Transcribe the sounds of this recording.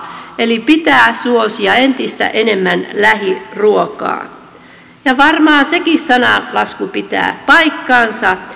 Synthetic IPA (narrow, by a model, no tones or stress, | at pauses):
elipit̪æːsuosiɑent̪ist̪æ̰ʔenemːænlæhiruokɑ̰ː | jɑʋɑrmɑːnsekissɑnɑ̰lɑskupit̪æ̰ːpɑikːɑːnsɑ